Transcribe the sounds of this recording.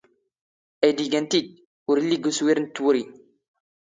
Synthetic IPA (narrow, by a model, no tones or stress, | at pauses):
æjd̪iɡænt̪id̪̚ | ʊɾilːiɡuswiɾnt̪ːwɾi